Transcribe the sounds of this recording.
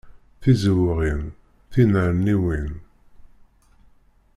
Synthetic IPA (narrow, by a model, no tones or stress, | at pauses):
θizəwʁin | θinəɾniwin